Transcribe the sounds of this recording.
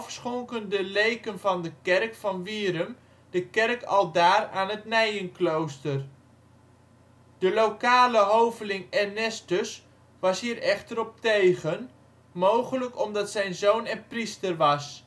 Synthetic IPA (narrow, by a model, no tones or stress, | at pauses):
fsχɔŋkəndəlejkənvɑndəkɛrkfɑnʋiːɾəm | d̥əkɛrkʰɑ̰lˠdaːraːnɦətnɛjənklowstər | d̥əlowkaːləɦowvəlɪŋɛnɛstəs | ʋɑsɦiːrɛχtəɾɔp̚tejχən | mowχələkɔmdɑtsɛjnzownɛnpristərʋɑs